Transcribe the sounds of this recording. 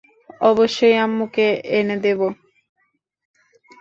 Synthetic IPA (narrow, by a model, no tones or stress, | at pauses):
ɔboʃːojamːukeened̪ebo